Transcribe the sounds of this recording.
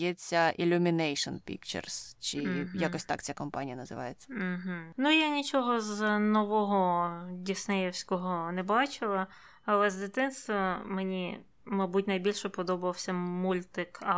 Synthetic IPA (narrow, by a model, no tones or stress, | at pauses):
jɛt͡sʲːɐʔilʲʊmʲinɛjʃɔnpʲḭkt͡ʃɛ̰rst͡ʃɪjakɔsʲt̪a̰kt͡sʲakɔmpa̰nʲijɐnɐzɪ̰ʋɑ̰jet͡sʲːɐ̥m̩ɦ̩nujanʲit͡ʃɔɦɔznɔʋɔɦɔdʲisnɛjɛwsʲkɔɦɔnɛbɑt͡ʃɪlˠɐ | ɐlˠɛzd̪ɪt̪ɪnst̪ʋɐmenʲi | mɐjbutʲnɐjbʲilʲʃɛpɔd̪ɔbɐʋɐwsʲɐmulʲt̪ɪkɐ